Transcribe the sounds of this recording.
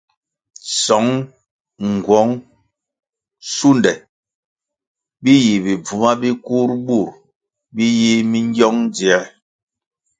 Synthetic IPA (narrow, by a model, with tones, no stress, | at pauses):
sɔ˨˦ŋ | ŋ˨ɡwɔ˨˦ŋ | su˦ndɛ˨ | bi˦ji˨bi˨b͡vu˨ma˦bi˦ku˦ɾbu˦˨ɾ | bi˦ji˦mi˦ŋ˦ɡjɔ˦ŋd͡zi˨ɛ˨˦